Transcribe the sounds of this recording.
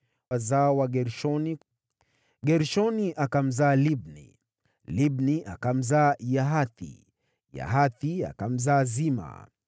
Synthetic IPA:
azawaɡɛɾɔn | ɡɛɾʃɔniʔakam̩zaːlib̚nḭ | libniʔakam̩zaːjaɦaθḭ | ja̰ɦaθia̰kam̩zaːzima̰

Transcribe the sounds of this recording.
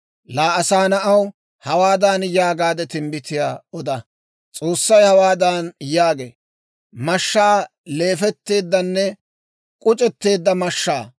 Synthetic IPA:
laːɐsaːnɐʔɐw | hɐwaːd̪aːnjaːɡaːd̪ɛt̪ɪmbɪt̪ɪjaːɔd̪ɐ | t͡sʼo̞ːsːɐjhɐwaːd̪aːnjaːɡḛː | mɐʃːaː | le̞ːfɛt̪ːe̞ːd̪ːɐnːɛ | kʼʊt͡ʃʼɛt̪ːe̞ːd̪ːɐmɐʃːaː

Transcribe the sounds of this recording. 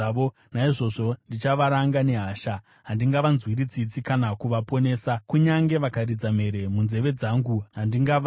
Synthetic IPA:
ʋo | naiʐo̞ʐo̞ndit͡ʃaʋaɾaŋɡane̞ɦaːʃa | ɦandiŋɡaʋanzwiɾid͡zit͡sikanakuʋapo̞ne̞ːsakuɲaŋɡe̞ʋakaɾid͡zame̞ɾe̞munze̞ʋe̞d͡zaːŋɡuɦandiŋɡaʋ

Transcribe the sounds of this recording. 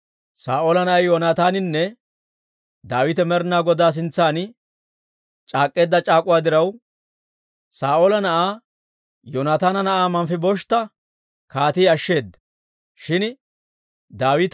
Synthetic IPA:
saːʔoːlɐnɐʔɐjjɔːnaːt̪aːnɪnːɛ | d̪aːwɪt̪ɛmɛɾnaːɡɔd̪aːs̬ɪnt͡sːaːn | t͡ʃʼaːkʼːe̞ːd̪ːɐt͡ʃʼaːkʼʊwaːd̪ɪɾɐw | saːʔoːlɐnɐʔaː | joːnaːt̪aːnɐnɐʔaːmɐmfɪbɔʃt̪ːɐ | kaːt̪iːɐʃːe̞ːd̪ːɐ̥ | ʃɪn | d̪aːwɪt̪

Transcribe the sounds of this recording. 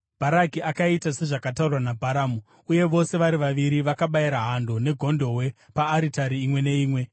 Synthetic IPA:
b̥ʱaɾakiʔakaitase̞ʐakataurwanabʱaɾaːmu | uje̞ʋo̞se̞ʋaɾiʋaʋiɾiʋakaɓajiɾaɦando̞ne̞ɡʱo̞ndo̞ɦwe̞ | paːɾitaɾiːmwe̞ne̞iːmwe̞

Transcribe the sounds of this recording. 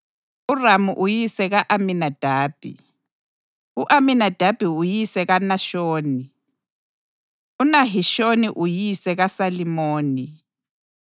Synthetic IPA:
uramuʔujisɛɣaʔaminad̥ʱaːb̥ʱḭ | uʔaminad̥ʱab̥ʱiujisɛɣanaʃoːni | unaɦiʃoniʔujisɛɣasalimoːni

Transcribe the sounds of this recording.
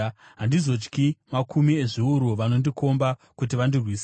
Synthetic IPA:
ɦandizo̞t͡ʃkimakumie̞ʐiuɾuʋano̞ndikʰo̞mba | kut̬iʋandirwiːs

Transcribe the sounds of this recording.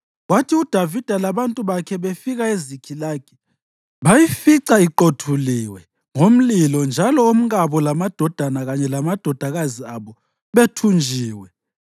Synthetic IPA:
watʰiud̥ʱavid̥ʱalaβantʼuβakʰɛβefiɣaezikʰilaːkʰɛ̥ | βajifiǀaiǃotʰuliwɛ | ŋom̩lilɔnd͡ʒʱalɔom̩ɣaβɔlamad̥ʱɔd̥ʱanaɣaɲɛlamad̥ʱɔd̥ʱaɣaziaβɔ | βetʰund͡ʒʱiːwɛ

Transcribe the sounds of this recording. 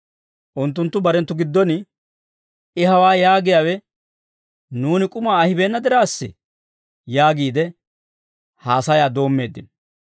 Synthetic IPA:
ʔʊnt̪ːʊnt̪ːʊbɐɾɛnt̪ːʊɡɪd̪ːɔnɪ | ɪɦɐwaːjaːɡɪjaːwɛ | nuːnɪkʼʊmaːɐhɪbeːnːɐd̪ɪɾaːsːɪ̰ | jaːɡiːd̪ɛ | haːsɐjaːd̪o̞ːmːe̞ːd̪ːɪn

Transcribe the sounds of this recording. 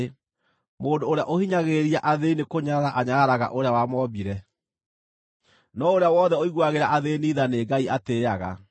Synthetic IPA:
moːndoːɾeaʔohiɲaɣeɾiaʔaðeinekoɲaɾaʔaɲaɾaɣa̰ʔoɾeawamɔbiɾɛ | nɔoɾeawɔðɛoiɣwaɣeɾaʔaðeːniðaneɡaiateaɣa̰

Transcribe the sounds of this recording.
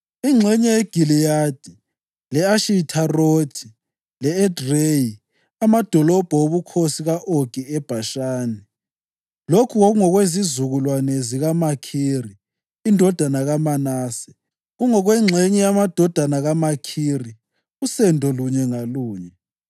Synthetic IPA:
iŋ͡ǁʱɛɲɛjeɡ̥ʱilijad̥ʱi | lɛaʃitʰarod̥ʱi | lɛɛdreji | amad̥ʱɔlɔb̥ʱaoβukʰosiɣaʔoɡ̥ʱiɛb̥ʱaʃaːnɛ | lokʰuɣɔɣuŋɔɣwezizuɣulwanɛziɣamakʰiːri | indʱɔd̥ʱanaɣamanaːsɛ̥ | ɣuŋɔɣweŋ͡ǁʱeɲɛjamad̥ʱɔd̥ʱanaɣamakʰiri | ɣusɛndʱɔluɲɛŋaluːɲɛ

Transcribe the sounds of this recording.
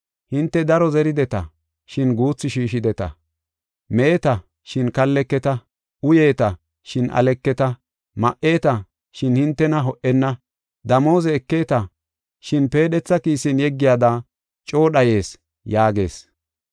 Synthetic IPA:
hɪnt̪ːɛd̪ɐɾɔzɛɾɪd̪ɛt̪ɐ̰ | ʃɪnɡuːt͡sːɪʃiːʃɪd̪ɛt̪ɐ̰ | meːt̪ɐ | ʃɪnkɐlːɛkːɛt̪ɐ | ʔʊje̞ːt̪ɐ | ʃɪnʔɐ̰lɛkːɛt̪ɐ | mɐʔe̞ːt̪ɐ | ʃɪnhɪnt̪ːɛnɐɦɔʔɛnːɐ | d̪ɐmo̞ːzɛːkːe̞ːt̪ɐ | ʃɪnpe̞ːɗɛt͡sːɐkiːsɪnjɛɡːɪjaːd̪a | t͡ʃʼo̞ːɗɐje̞ːs | jaːɡe̞̰ːs

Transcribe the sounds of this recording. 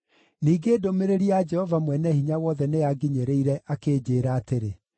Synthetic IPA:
niːɡeːdomeɾeɾiad͡ʒɛhɔvamwɛnɛhiɲawɔðɛneaɡiɲeɾeiɾɛʔakeːd͡ʑeːɾaːteɾe

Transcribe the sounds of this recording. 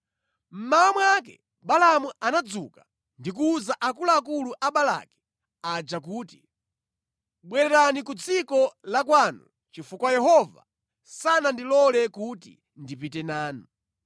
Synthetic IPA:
m̩mawamwakɛ̰ | ɓalamuanad͡zuka | ndik̬uːzaʔakulaːkuluʔaɓala̰kɛ̥ | ad͡ʒak̬uːti̥ | ɓwɛɾɛɾanikut͡sikɔlakwaːnu | t͡ʃifukwajɛɦɔva̰ | sanandilɔlɛkutḭ | ndipitɛnaːnu

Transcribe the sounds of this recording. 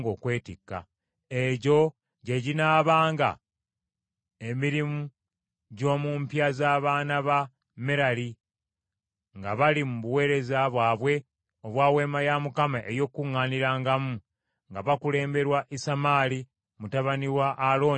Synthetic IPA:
ɡo̞ːkwe̞ːtikːa̰ | e̞ɟo̞ | ɟe̞ɟinaːβaːŋɡa̰ | emiɾimu | ɟo̞ːmuːmpjazaːβaːnaβa | meɾali | ŋɡaβalimuβuwe̞ːɾe̞zaβwaːβwe̞ | oβwaːwe̞ːmajamukamaʔejo̞kːuŋːaːniɾaːŋɡamu | ŋɡaβakule̞ːmbe̞ɾwaʔisamaːli | mutaβaniwaʔːlo̞ː

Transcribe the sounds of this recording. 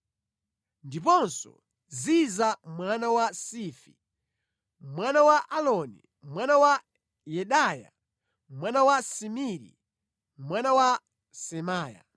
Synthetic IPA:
ndipɔnsɔ̰ | zizamwanawasifḭ | mwanawaʔalɔnḭ | mmwanawa | jɛɗaːja̰ | mwanawasimiɾḭ | mwanawa | sɛmaːja̰

